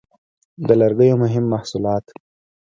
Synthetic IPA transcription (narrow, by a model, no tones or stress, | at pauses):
d̪əlaɾɡəjomʊɦɪmːahsulɑːt̪